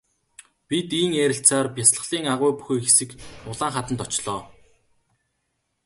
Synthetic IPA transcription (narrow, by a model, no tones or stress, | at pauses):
pʲit̪iːŋeːɾʲɪ̆ɬt͡saːrpʲjasɮə̆ɮiːŋaʁʊjpuxeːxesɘ̆kʊɮaːŋχat̪ə̆nt̪ɔt͡ɕɮɔː